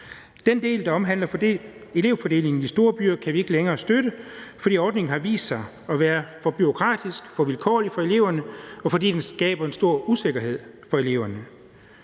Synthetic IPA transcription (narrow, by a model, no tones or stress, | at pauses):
d̥end̥e̝̰ːld̥ɑ̈ɒ̽mɦæn̰lɐe̝le̝ʊ̰fɒ̽d̥e̝̰ːle̝ŋn̩isd̥o̝ːɐb̥yːɐ̰kʰæʋie̝ɡ̥əleŋɐːsd̥øɾəfɒ̽dḭːɒːd̥ne̝ŋn̩hɑ̈ʋḭːsd̥sɑ̈ɪ | ɒ̽ʋæːɐfɒ̽b̥yʁo̝kʰʁɑ̰̈ːd̥isɡ̥fɒ̽ʋilkʰɒ̰ːlifɒ̽e̝le̝ʊɐnəɒ̽fɒ̽d̥ḭːd̥ensɡ̥ɛ̰ːb̥ɐe̝nsd̥o̝ɐ̰use̝ɡ̥ɐɦe̝ð̞̰ˠfɒ̽e̝le̝ʊɐnə